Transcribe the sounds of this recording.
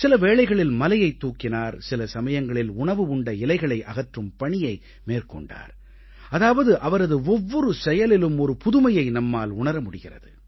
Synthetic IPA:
sɪlɐʋeːɭɐɪɣɐɭɪlmɐlɐjɐɪt̪ːuːkːɪnaːɾsɪlɐsɐmɐjɐŋɡɐɭɪlʊɳɐʋɯʊɳɖɐɪlɐɪɣɐɭɐɪʔɐɣɐʈrɯmpɐɳɪjɐɪ | meːrkɔ̰ɳɖa̰ːɾ | ɐðaːʋɐðɯʔɐʋɐɾɐðɯɔʋːɔɾɯsɛjɐlɪlɯmɔɾɯpʊðʊmɐjɐɪnɐmːaːlʊɳɐɾɐmʊɽɪɣɪrɐ̰ðɯ

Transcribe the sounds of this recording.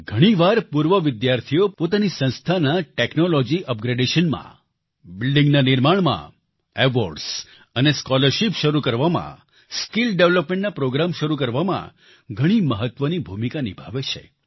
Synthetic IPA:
ɡʱəɽ̃iʋaɾpuɾʋəʋɪd̪jaɾt̪ʰijopot̪anisə̃nst̪ʰanaʈeknolɔd͡ʒiʔəp̚ɡɾeɖeʃənmã̰ | bɪlɖĩŋɡnanɪɾmaɳmã̰ | eʋoɾɖs | əneskɔləɾʃipʃəɾukəɾʋamã̰ | skilɖeʋləpmẽɳʈnapɾoɡɾamʃəɾuk̬əɾʋamã̰ | ɡʱəɽ̃iməɦət̪ʋənibʱumikanibʱaʋet͡ʃʰḛ

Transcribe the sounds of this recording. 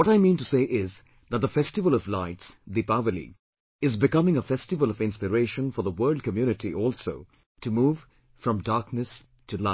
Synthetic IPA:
wɔɾaɪmĩntuseɪʔɪz | ðət̚ðəfɛstɨvəlˠʌvlaɪtsðipavəlḭ | ɪzbɨkʌmɪ̃ŋəfɛstɨvəlˠʌvɪ̃nspɨɹeɪʃə̃nfɔ˞ðəwɜ˞lˠd̚kəmjʉnɨtʰiʔɔlˠsoʊ | tʰɨmuːv̥ | fɹʌ̃mdɑɹknɨs | tʰɨlaɪ

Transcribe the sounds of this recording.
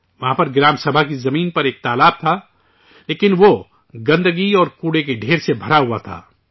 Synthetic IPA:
ʋɐɦãːpɐɾɡɾaːmsɐbʱakizɐmiːnpɐɾeːk̚t̪aːlaːb̚t̪ʰa | leːkɪnʋo | ɡɐ̃nd̪əɡiɔːɾkuːɽekeɖʱeːɾsebʱɐɾaɦuat̪ʰa̰ː

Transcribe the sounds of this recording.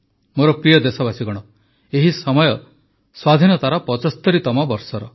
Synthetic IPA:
moɾɔpɾijɔd̪esɔbasiɡɔɽ̃ɔ | eɦisɔmɔjɔ | swad̪ʱinɔt̪aɾɔpɔt͡ʃɔst̪ɔɾit̪ɔmɔbɔɾsɔɾɔ

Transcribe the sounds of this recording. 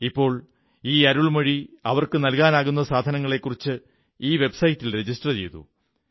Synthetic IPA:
ipːo̞ːɭ | iːɐɾuɭmɐɻiɐʋɐrkɨnɐlkaːnaːɣun̪ːɐsaːd̪ʱɐnɐŋːɐɭe̞kːurit͡ɕːɨ | iːʋe̞bsɐjtːilre̞d͡ʑisʈrɐt͡ɕe̞jt̪ṵ

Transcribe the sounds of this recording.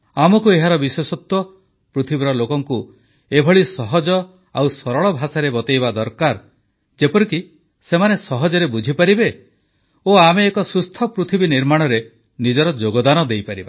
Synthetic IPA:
amɔkueɦaɾɔbiswesɔt̪wɔ | pɾut̪ʰibiɾɔlokɔŋku | ebʱɔɭisɔɦɔd͡ʒɔ | awsɔɾɔɭɔbʱasaɾebɔt̪ejbad̪ɔɾkaɾ | d͡ʒepɔɾiki | semanesɔɦɔd͡ʒɔɾebud͡ʒʱipaɾibe | oameːkɔsust̪ʰɔpɾut̪ʰibiniɾmaɽ̃ɔɾe | nid͡ʒɔɾɔd͡ʒoɡɔd̪anɔd̪ejpaɾiba

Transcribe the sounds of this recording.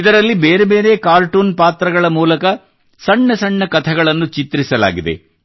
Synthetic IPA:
id̪ɐɾɐlːibeːɾebe̞ːɾe̞ːkaːɾʈuːnpaːt̪ɾɐɡɐɭɐmuːlɐkɐ | sɐɳːɐsɐɳːɐkɐt̪ʰɐɡɐɭɐnːut͡ʃit̪ɾisɐla̰ːɡid̪e̞̰

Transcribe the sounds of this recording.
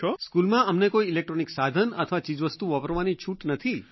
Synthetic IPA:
t͡ʃɔskulmãəmnekoiːlek̚ʈɾoniksad̪ʱənə̰t̪ʰəʋat͡ʃid͡ʒʋəst̪uʋəpəɾʋanit͡ʃʰuʈnət̪ʰi

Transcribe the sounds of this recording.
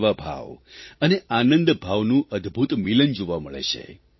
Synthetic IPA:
ʋabʱa̰ʋəneanənd̪bʱaʋnũʔəd̪bʱut̪milənd͡ʒoʋaməɭḛt͡ʃʰḛ

